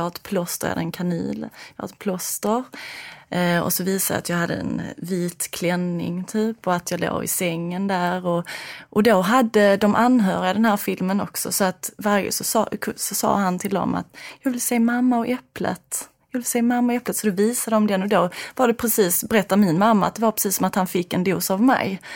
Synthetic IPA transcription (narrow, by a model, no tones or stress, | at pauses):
haɾt̪pʰlɔst̪əɾj̰ha̰d̪əɛnkʰanḭːljɑha̰ɾpʰlɔst̪əɾ | ɔ̰sɔviːsad̪ə̰at̪jɑːɡhad̪ːə̰ɛ̰nviːt̪kʰlɛnːɪ̰ŋt̪ʰyːpɔat̪ʰjɑːɡlo̰ːɡɪ̰sɛŋːənd̪æːɾɔʔɔd̪oɦad̪ːəd̪ɔmʔanːɦœːɾɪad̪ɛnhæːɾfɪlmənɔ̰ksɔ̰sɔat̪vaɾə̰sɔsɑkʰsɔsɑ̰ːhant̪ʰɪld̪ɔ̰ma̰t̪jɑːvɪlsɛːmamːaɔʔɛplə̰t̪ | jɑːvɪlseːmamːaɔɛplət̪sɔd̪ɔviːsad̪əɔmd̪ɛnːɔd̪ovaɖɛpʰɾɛsiːsbɛɾɛt̪ːamɪnmamːaat̪̚d̪ɛvaɾpʰɾɛsiːsːɔmat̪hanfɪkːɛnd̪uːsavmɛ̰j